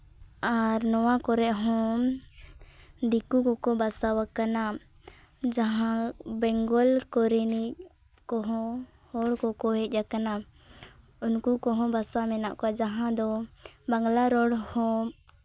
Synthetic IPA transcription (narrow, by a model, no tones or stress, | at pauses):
aɾnɔwakɔɾɛʔɦɔ̃ | d̪ikukɔkɔbasawakːana | d͡ʒaɦãbɛŋɡɔlkɔɾiniʔ | kɔɦɔ̃ | hɔɽkɔkɔɦɛt̪̚ˀd͡ʒakana | unkukɔɦɔ̃basamɛnaʔkad͡ʒaɦãd̪ɔbaŋɡlaɾɔɽhɔ̃